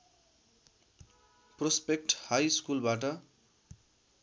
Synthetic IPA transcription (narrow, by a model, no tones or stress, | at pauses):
prospek̚ʈhajskulbaʈʌ